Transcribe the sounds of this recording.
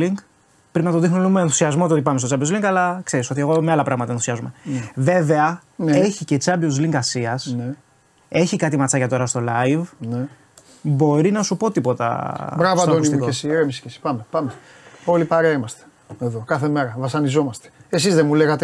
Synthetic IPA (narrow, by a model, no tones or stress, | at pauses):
iŋɡ | pɾimbnɐt̪oðixnulumeːnθu̥siɐzmot̪iot̪ipɐms̬t̪ot͡sɐbozliŋɡɐlɐkse̞ɾiso̞t̪ie̞ɣomeɐlɐpɾɐɣmɐt̪ɐenθusiɐzume̞nve̞ve̞ɐneçice̞t͡sɐbiozliŋɡɐsiɐsne | e̞çikɐt̪imɐt͡sɐcɐt̪o̞ɾɐst̪o̞lɐjvne | bo̞ɾinɐsupo̞t̪ipo̞t̪ɐ̰bɾɐvɐɐd̪onismikesiɾemisi̥cesi̥pɐmepɐmeo̞lipɐɾeɐimɐst̪e̥ | eðo̞kɐθemeɾɐvɐsɐnizo̞mɐst̪e̥esizðemuleɣɐt̪e